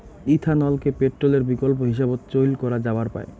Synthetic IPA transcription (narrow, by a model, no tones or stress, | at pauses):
it̪ʰanɔlkepeʈːɾoleɾbikolp̬oɦiʃ̬abot̪t͡ɕojlkɔɾad͡ʑabaɾpa̰e